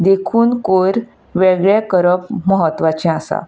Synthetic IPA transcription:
d̪ekʰuːnkoɾ | ʋeɡɭjakəɾəpməɦət̪ʋat͡ɕɛ̃asa̰

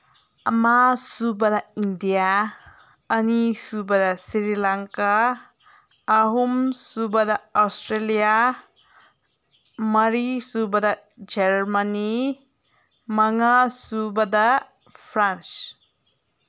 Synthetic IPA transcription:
ɐmasubɐdɐindijaː | nisubɐdɐsiɾilaŋka | ɦumsubɐdɐawstɾelija | mɐɾisubɐdɐ | d͡ʒeɾmani | mɐŋasubɐdɐ | pʰɾans

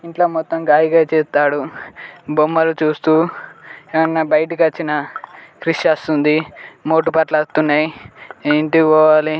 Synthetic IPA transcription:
iɳʈloːmɔt̪ːɐmɡaːjiɡaːt͡ʃeːt̪aːɽu | bomːɐlut͡ʃuːst̪uːeːʋɐnːɐbɐjɐʈikɐt͡ʃːinɐkɾiʂast̪und̪imo̞ːʈ̬upɐʈlɐst̪unːaːjiiɳʈikɔːʋaːli

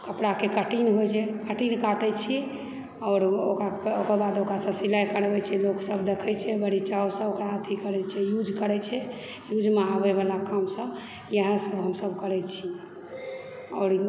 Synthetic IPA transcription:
kəpɽakekəʈinɦojt͡ʃʰɛkəʈinkaʈɛt͡ʃʰi | ɔɾokaokəbad̪okɾasə̃silajkəɾbɛt͡ʃʰɛloksəbd̪ekʰɛt͡ʃʰɛbəɽ̤it͡ʃaosə̃okɾaət̪ʰikəɾɛt͡ʃʰɛjud͡ʒʱkəɾɛt͡ʃʰɛ | jud͡ʒmeaβeβalakamsə̃ | jəɦə̃səbɦəmsəbʱkəɾɛt͡ʃʰi | ɔːɾ

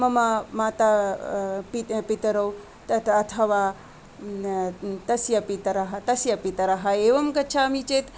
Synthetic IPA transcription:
mɐmamaːt̪aː | pipit̪ɐɾɐw | t̪ɐt̪ɐt̪ʰɐʋaː | t̪ɐsjɐpit̪ɐɾɐɦɐt̪ɐsjɐpit̪ɐɾɐɦɐeːʋɐmkɐt͡ʃʰaːmit͡ʃeːt̪

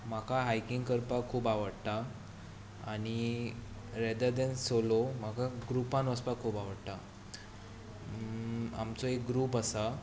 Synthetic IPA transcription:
makʰaɦajkiŋɡkəɾpakʰːuːpaʋəɽt̪a | aɽ̃i | ɾɛd̪əɾd̪ɛ̃nsolomakaɡɾupãnʋəspakʰːuːpaʋəɽt̪a | a̰mt͡sɔek̚ɡɾuːpasa

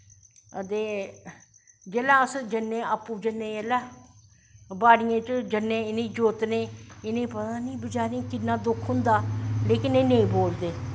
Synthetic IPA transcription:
ət̪eː | d͡ʒeːlãːəsd͡ʒənːẽːəpːuːd͡ʒənːẽːelaː | baːɽɪjãːt͡ʃd͡ʒənːẽːɪnẽːd͡ʒoːt̪nẽːɪnẽːpət̪aːnĩːbət͡ʃaːnĩːkɪnːãːd̪ʊkʰɦʊnd̪aːleːkɪneːnẽĩːboːld̪eː

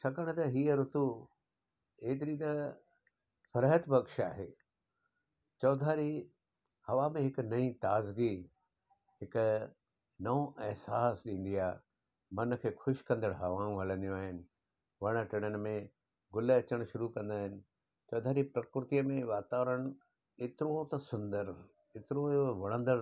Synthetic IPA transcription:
t͡ɕʰɐkəɽ̃t̪ɐɦiːəɾʊt̪u | eːt̪ɪɾit̪ɐ | fʰɐɾɦət̪bʱɐɡʃaːɦeː | t͡ɕɔːd̪ʱaːɾi | hɐʋamẽɦɪknɐĩt̪aːzɡi | ɦɪk | nɐõʔɛɦsaːsɗĩːn̆d̪iaː | mɐn̆kʰeːxʊʃkɐ̃nd̪əɽɦɐʋãːũɦɐlə̃nd̪ijõaːɦɪnɪ̆ | ʋɐɽ̃ə̆ʈɪɽ̃ənɪ̆mẽ | ɡʊleɐt͡ɕəɽ̃ʃʊɾukɐ̃nd̪aːɦɪnɪ̆ | t͡ɕɔːd̪ʱaːɾipɾɐkɾɪɾt̪ijəmẽʋaːt̪aːʋɾəɽ̃ | eːt̪ɪɾot̪ɐsʊ̃nd̪əɾ | et̪ɪɾooʋɐɽ̃ə̃nd̪əɾ

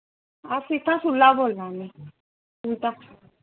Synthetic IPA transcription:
asitasulaβɔlanɛ | ta

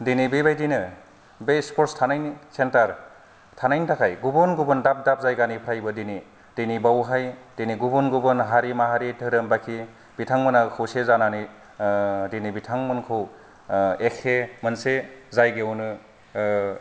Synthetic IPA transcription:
dinibebajdinɯ | bespʰɔɾstʰanajnsentaɾ | tʰanajntʰakʰajɡubɔnɡubɯndap̚dap̚zajɡanipʰɾajbɯdini | d̥enibawɦajd̥eniɡubɔnɡubɯnɦaɾimaɦaɾitʰɯɾɯmbakʰi | b̥itʰaŋmɯnakʰɯwsezanani | dinibitʰaŋmɯnkʰɯw | ekʰemɯnsezajɡewnɯ

